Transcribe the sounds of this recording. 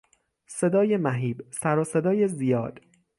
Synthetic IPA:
se̞d̪ɒːje̞mæɦiːbsæɾɒːse̞d̪ɒːjezijɒ̰ːd̪̥

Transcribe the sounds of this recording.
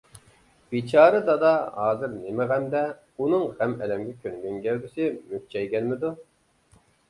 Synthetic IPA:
b̥it͡ʃʰɑːɾɨd̪ɑd̪ɑhɑːzɨɾnemɪʁæmd̪ɛ | unɨŋʁæmɛlɛmɡʲɛkʲʰønɡʲøŋɡʲælbɪsɪmyht͡ʃʰɛjɡʲɛnmɪd̪u

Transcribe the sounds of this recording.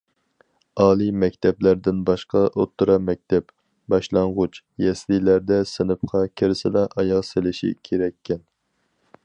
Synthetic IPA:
ɑːlˠimɛkʲt̪ʰɛblæɾd̪ɪnbɑʃqɑʔot̪ːʊɾɑmɛk̚ʲt̪ʰɛp | bɑʃlˠɑɴʁʊt͡ʃ | jɛslilæɾd̪ɛsɨnɨpqʰɑkʲʰeɾsɪlɛʔɑjɑʁselɪʃḭkʲʰeɾɛkʲʰːɛn

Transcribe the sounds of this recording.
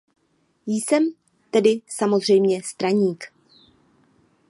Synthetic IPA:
jsɛm | t̪ɛdɪsamo̞zr̝ɛjmɲɛst̪ɾaɲiːk

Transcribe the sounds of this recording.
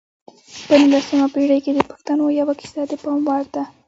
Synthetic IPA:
pənilasimapeɽəjked̪əpə̥xt̪anojawakɪ̥sad̪əpɑmwɑɾd̪a

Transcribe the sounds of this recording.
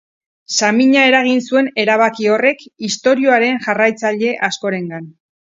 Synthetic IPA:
samiɲae̞ɾaɣ̞insue̞ne̞ɾaβ̞akio̞re̞kist̪o̞ɾio̞aɾe̞nʝarajt͡saʎe̞ʔasko̞ɾe̞ŋɡan

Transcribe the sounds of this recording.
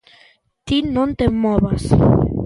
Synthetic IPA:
t̪inõnt̪emoβas

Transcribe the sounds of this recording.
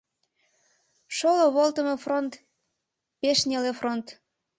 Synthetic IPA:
ʃoloβolt̪əmefront̪ | peʃnʲelefront̪

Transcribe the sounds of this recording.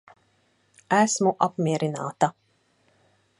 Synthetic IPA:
æsmuʔapmʲiɛɾinaːt̪a

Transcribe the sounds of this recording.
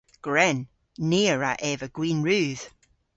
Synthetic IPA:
ɡ̥ɹɛnː | iːəɹaʔɛvəɡ̥wĩːnɹʉːð̥

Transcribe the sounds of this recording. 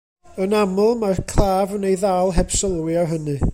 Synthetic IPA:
ənaml̩ˠmarkʰlaːvənejðalˠɦɛb̥səlˠwjɔɦənɨ

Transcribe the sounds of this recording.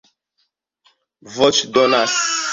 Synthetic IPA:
vɔt͡ʃdɔnas

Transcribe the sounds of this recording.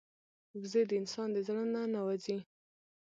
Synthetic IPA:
ɡzed̪əɪnsɑnd̪əzaɽənanawazi

